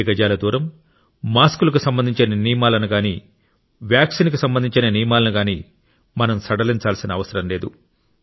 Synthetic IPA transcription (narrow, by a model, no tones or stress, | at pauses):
ɡɐd͡ʒaːlɐd̪uːɾɐmː | aːskulɐk̬usɐmbɐnd̪ʱiɲt͡ʃinɐnijmaːlɐnuɡaːniː | ʋjaːksiːnk̬usɐmbɐnd̪iɲt͡ʃinɐnijmaːlɐnuɡaːniː | mɐnɐmsɐɽɐliɲt͡ʃaːlsinɐːʋɐsɐɾɐmle̞ːd̪u